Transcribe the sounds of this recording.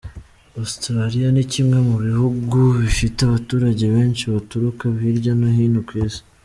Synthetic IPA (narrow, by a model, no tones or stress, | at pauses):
ostɾaɾijanicimŋamuβihuɡuβifiteaβatuːɾaɟe̞βe̞ːnʃiβatuɾukaβiɾɟanahiːnhukwiːzi̥